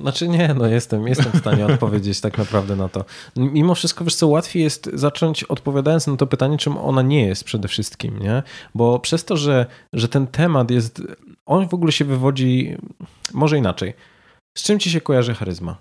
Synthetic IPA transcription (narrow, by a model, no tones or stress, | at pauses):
nat͡ʂɘɲɛnɔjɛst̪ɛmjɛst̪ɛmfst̪aɲɛɔt̪̚pɔvʲjed͡ʑet͡ɕt̪aknapɾavd̪ɛnat̪ɔmʲimɔfʂɨst̪̚kɔvɨst̪ɔwat̪fʲjejɛst̪zat͡ʂɔɲt͡ɕɔt̪pɔvʲjad̪ajɔnsnat̪ɔpɘt̪aɲɛt͡ʂɘmɔ̰naɲɛjɛst̪̚pʂɛd̪ɛfʂɘst̪kʲḭmɲɛbɔpʂɛst̪ɔʐɛʐɛt̪ɛnt̪ʰɛmat̪jɛst̪ʔɔnvɔɡulɛɕɛvɘvɔd͡ʑi | mɔʐɛinat͡ʂɛj | st͡ʂɘmt͡ɕiɕ̬ɛkɔjaʐɨxaɾɘzma̰